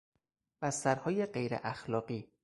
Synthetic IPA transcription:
b̥æst̪æɾhɒːje̞ɢejɾḛʔæxlɒːɢiː

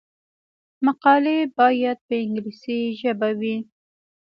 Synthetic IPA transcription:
maqɑlebɑjad̪̚pəɪŋɡlisiʒəbawi

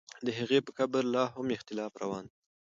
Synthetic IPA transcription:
d̪əɦaɣepəkabəɾlɑɦʊmɪxt̪ɪlɑfɾa̰wɑn

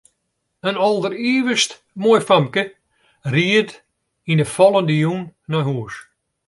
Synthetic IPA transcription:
ənɔlˠdəriːʋəst | moːjfamkə | riət | inəfɔlˠəndəjunːɔjɦuəs

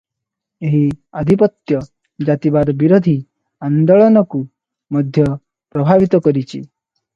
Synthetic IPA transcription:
eɦiad̪ʱipɔt̪jɔ | d͡ʒat̪ibad̪biɾod̪ʱi | and̪ɔɭɔnɔku | mʌd̪ʱjʌ | pɾɔbʱaʋit̪ɔkɔɾit͡ʃʰḭ

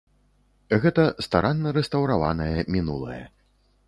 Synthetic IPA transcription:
ɣɛt̪ɐst̪aɾanːɐɾɛst̪ɐwɾava̰nɐjɐmʲinulˠɐ̰jɐ̰

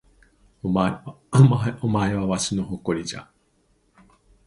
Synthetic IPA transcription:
a | omaeβaβaɕɨnoɦoko̞ɾʲid͡ʑa̰

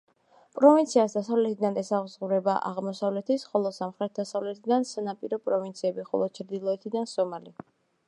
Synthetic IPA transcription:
pʼɾɔvint̪sʰiasd̪asavlɛt̪ʰid̪anɛsaʁzʁuɾɛbaʔa̰ʁmɔsavlɛt̪ʰisχɔlˠɔsamχɾɛt̪̚d̪asavlɛt̪ʰid̪ansanapʼiɾɔpʼɾɔvint̪sʰiɛbiχɔ̰lˠɔt͡ʃʰɾd̪ilˠɔɛt̪ʰid̪ansɔmali

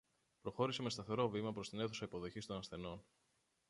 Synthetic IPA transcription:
pɾo̞xo̞ɾiseme̞st̪ɐθe̞ɾo̞vimɐpɾo̞st̪ine̞θu̥sɐipo̞ðo̞çist̪o̞nɐsθe̞no̞n

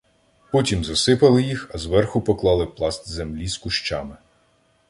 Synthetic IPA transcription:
pɔtʲimzɐsɪpɐlˠɪjixɐzʋɛrxʊpɔklˠɑlˠɪplˠɑst̪zemlʲiskʊʃt͡ʃɑmɪ

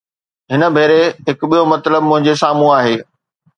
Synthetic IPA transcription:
ɦɪnə̆bʱeːɾeɦɪkʊɓijomɐt̪ləb̚mʊ̃ɦɪ̃ɲd͡ʑesaːmũaːɦeː

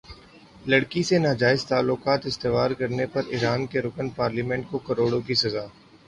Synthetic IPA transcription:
lɐɽkisenaːd͡ʒaːɪzt̪aːlːʊkaːt̪ɪst̪eʋaːɾkɐɾnepɐɾɪɾaːnkeɾʊkənpaːɾlimɛ̃ɳʈ̚kokɐɾoːɽõk̬isɐzaː

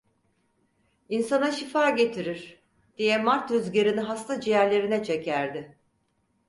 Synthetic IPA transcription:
insanaʃifaːɟe̞t̪ʰiɾiɾ̥ | d̪̥ijɛmaɾt̪øzɟeɾiniɦast̪ʰad͡ʒijæɾlʲe̞ɾinɛt͡ʃʰecʰæɾd̪ɪ

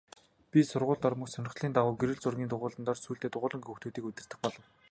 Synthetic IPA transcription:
pʲisʊrʁʊːɮt̪ɔrmə̆ksœnʲɪ̆χɮiːnt̪aʁʊːɡeɾɘ̆ɮt͡sʊrɣʲiːnt̪ʊʁʊːɮə̆nt̪ɔːrsuːɬt̪eːt̪ʊʁʊːɮə̆ŋɵxt̪uːt̪iːkut̪ʲɪ̆r̥t̪ɘ̆xpɔɮɞ̆w

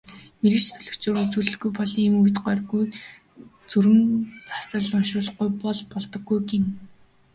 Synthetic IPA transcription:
meɾɘ̆t͡ɕt̪ʰɵɮɵ̆kt͡ɕoːɾut͡suːɮɘ̆ɡujpɔɮiːmujt̪ɢœrɣuj | t͡sɵɾɘ̆mt͡sḁsə̆ɮɔnʃʊːɮ̆χujpɔɮpɔɮt̪ɞ̆ɡːujken

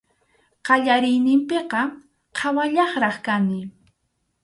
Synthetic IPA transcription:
qɑʎaɾɪjnɪmpeqɑ | qʰɑwaʎɑχɾɑχkanɪ

